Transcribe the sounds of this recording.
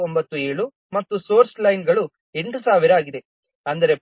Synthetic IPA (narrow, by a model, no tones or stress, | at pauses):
ombɐt̪ːue̞ːɭu | mɐt̪ːuso̞ːɾslɐjnɡɐɭu | e̞ɳʈusaːʋiɾaːɡid̪e̞ | ɐnd̪ɐɾe